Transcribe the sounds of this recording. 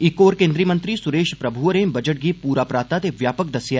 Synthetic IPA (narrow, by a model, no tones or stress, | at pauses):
ikoːɾkẽːnd̪ɾijmə̃nt̪ɾisʊɾeːʃpɾɐbʱuɾẽːbɐd͡ʒəʈ̚ɡipuːɾaːpɾaːt̪at̪eʋjaːpək̚d̪ɐsja